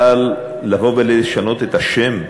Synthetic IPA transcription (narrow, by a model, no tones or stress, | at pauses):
alː | avobeliʃano̞t̪et̪haʃem